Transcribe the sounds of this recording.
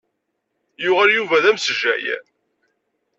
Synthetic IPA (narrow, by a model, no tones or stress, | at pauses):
jʊʁəɾjuvæðæmsəʒæ̰jæ̰